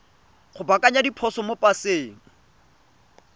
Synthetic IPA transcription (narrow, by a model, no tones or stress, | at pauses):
χʊbakʼaɲadipʰɔsɔmopʼaseːŋ̩